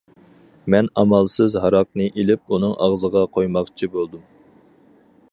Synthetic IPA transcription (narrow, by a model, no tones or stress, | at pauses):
mɛnɑmɑlˠsɨzɦɑɾɑq̚nɨʔilɪp̚unɨŋʔɑʁzəʁɑqʰojmɑqt͡ʃʰibolˠd̪um